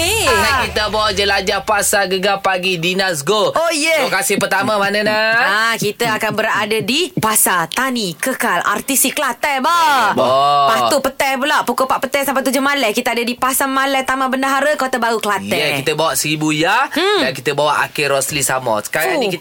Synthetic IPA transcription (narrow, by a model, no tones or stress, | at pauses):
enakit̪əbawad͡ʒəlad͡ʒapasaɡəɡapaɡidinas̬ɡoojəkasɪhpərt̪amamanənəakit̪əakanbəɾadadipasat̪anikəkala̰rt̪isikəlat̪ɛbabpaupət̪ɛpulaʔpukopaʔpət̪ɛsampajt̪ud͡ʒomalɛkit̪aadadipasamalɛt̪amãbəndaɦaɾəkot̪əbaɾukəlat̪ɛəkit̪əbawaʔsəɾibujajankit̪əbawaʔa̰keɾɔslisamɔ̰sə̥kaaiki